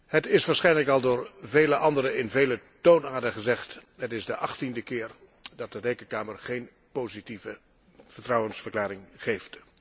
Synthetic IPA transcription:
hətɪsʋaːɹsχɛjnləkɑlˠdʊːɹvejləʔɑndəɾəɪnvejlətonaːdəχəzɛχtɦətɪzdəʔɑχtindəkɪːɹ | dɑt̚dərejkənkaːməɹχejn | poːzitivə | vəɹtrɑwənsfəɹklaːɾɪŋχejft

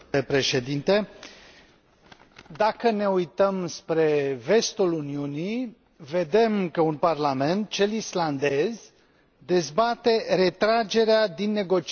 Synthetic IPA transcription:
epɾe̞ʃe̞d̪int̪e | d̪akəne̞ujt̪əmspɾe̞ve̞st̪uluniuni | ve̞d̪e̞mkəunparlame̞nt̪̚t͡ʃe̞lisland̪e̞z | d̪e̞zbat̪e̞ɾe̞t̪ɾad͡ʒe̞ɾead̪inːe̞ɡo̞t͡ʃ

